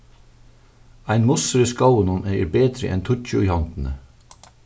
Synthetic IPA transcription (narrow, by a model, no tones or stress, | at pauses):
æɪnmʊsɾəskɑʊənɔnæɪə̰ɾbeːd̪ɾə̰ʔɛ̰nt̪ʰʊc͡çʊiːhɑnt̪n̩ə